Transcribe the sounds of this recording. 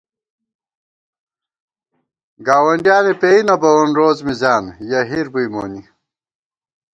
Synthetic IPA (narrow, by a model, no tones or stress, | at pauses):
ɡaːwɐɳɖjaːlepeinɐbɐwɐnɾoːzmizaːnjɐɦiɾbujmoːni